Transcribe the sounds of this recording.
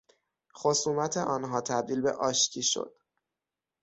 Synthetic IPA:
xosuːmæt̪ʰeʔɒːnɦɒːt̪ʰæb̚d̪iːlbe̞̰ʔɒːʃcʰiːʃo̰d̪̥

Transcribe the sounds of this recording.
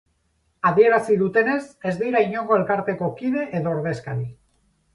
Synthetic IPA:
aðie̞ɾasiðut̪e̞ne̞se̞zd̪ijɾaiɲo̞ŋɡo̞e̞lkaɾt̪e̞ko̞kiðe̞ʔeðo̞ːɾðe̞skaɾi

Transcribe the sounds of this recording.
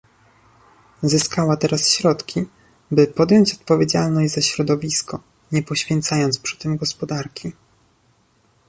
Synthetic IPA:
zɘskawat̪ɛɾasɕɾɔt̪kʲi | bɘpɔd̪jɔɲt͡ɕɔt̪pɔvʲjed͡ʑalnɔɕʲzaɕɾɔd̪ɔvʲiskɔ | ɲɛpɔɕfʲjɛnt̪sajɔnt̪spʂɘ̥t̪ɘmɡɔspɔd̪aɾkʲi

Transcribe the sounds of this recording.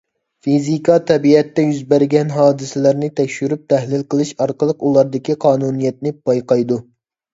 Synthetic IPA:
fizikɑt̪ʰɛbiɛt̪ːɛjyzbæɾɡʲɛnɦɑːd̪ɨsɪlæɾnɪt̪ʰɛkʲʃyɾyp̚t̪ʰɛhlɪlˠqəlˠɨʃɑɾqəlˠəqulˠɑɾd̪ɨkʲiqʰɑːnunijɛt̪̚nɪb̥ɑjqɑjd̪u

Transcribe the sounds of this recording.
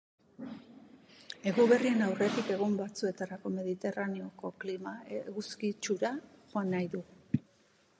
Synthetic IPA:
e̞ɣuβe̞rie̞nawre̞t̪ike̞ɣ̞umbat͡sue̞t̪aɾako̞me̞ð̞it̪e̞rane̞o̞ko̞klimaɣuskit͡ʃuɾaxo̞anːajðu

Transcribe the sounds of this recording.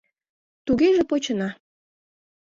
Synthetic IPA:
t̪uɣeʒepot͡ɕənɑ

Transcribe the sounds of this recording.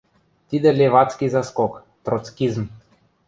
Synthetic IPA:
t̪id̪ɛlʲevat̪skʲizaskɔk | t̪ɾɔt̪skʲizm

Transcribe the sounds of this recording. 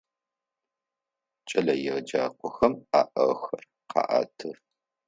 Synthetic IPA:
t͡ʃʼɐlɐjɪʁd͡ʒaːqʷʰʼɔxɐmaːʔɐʁxɐr | qɑ̰ːʔa̰ːtʰɨr

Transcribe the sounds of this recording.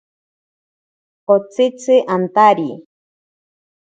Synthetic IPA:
ot͡sɨt͡sɨʔant̪aɾi

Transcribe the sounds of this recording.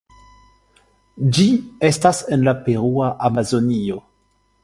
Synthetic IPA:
d͡ʒiestasenlapeɾuaʔamazonio

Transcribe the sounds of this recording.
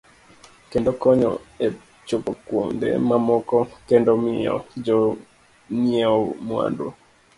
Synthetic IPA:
kɛndɔkɔɲɔ̰e | t͡ʃopɔkwoŋdɛ̰mamɔkɔkɛndɔmɪɔ̰d͡ʒɔ | niɛɔmwa̰ndo̰

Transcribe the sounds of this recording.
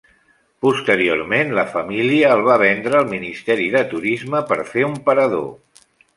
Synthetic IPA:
pust̪əɾio̰ɾmenləfəmiliəːlˠβ̞aβ̞ɛnd̪ɾəːlˠminist̪ɛɾiðət̪uɾizməpəɾfeumpəɾəðo̰

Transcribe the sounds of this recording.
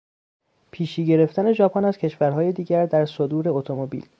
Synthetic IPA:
pʰiːʃiːɡe̞ɾe̞ft̪æne̞d͡ʒɒːpʰɒnæzcʰe̞ʃvæɾɦɒːje̞d̪iːɟæɾd̪æɾsod̪uːɾe̞ot̪ʰo̞mobḭːl

